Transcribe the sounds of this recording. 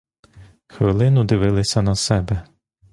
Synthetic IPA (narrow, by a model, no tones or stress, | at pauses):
xʋɪlˠɪnʊd̪ɪʋɪlˠɪsʲɐnɐsɛbɛ